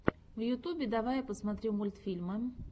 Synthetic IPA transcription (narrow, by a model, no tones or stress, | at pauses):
vjʊt̪ubʲɪd̪ɐvajpəsmɐt̪ɾʲimulʲt̪fʲilʲmɨ